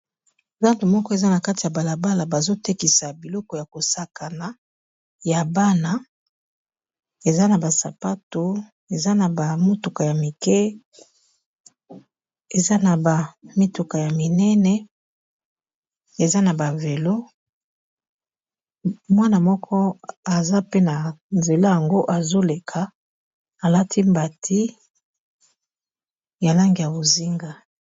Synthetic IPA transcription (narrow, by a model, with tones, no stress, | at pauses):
ba˦nto˨mɔ˦kɔ˦e˨za˦na˨ka˦ti˨ja˨ba˨la˨ba˦la˨ba˨zo˦te˦ki˨sa˨bi˨lɔ˦kɔ˨ja˨ko˨sa˨ka˨na˨ | ja˨ba˦na˦ | e˨za˦na˨ba˨sa˨pa˦to˨ | e˨za˦na˨ba˨mo˦tu˨ka˨ja˨mi˨kɛ˦ | e˨za˦na˨ba˨mi˦tu˨ka˨ja˨mi˨nɛ˦nɛ˦ | e˨za˦na˨ba˨ve˨lo˦ | mwa˦na˨mɔ˦kʰɔ˦a˨za˦pe˦na˨nze˨la˦ja˨ŋɡo˦ʔa˨zo˦le˨kʰa˨ | a˨la˦tʰi˦mba˨tʰi˦ | ja˨la˦ŋɡi˨ja˨bo˨zi˦ŋɡa˦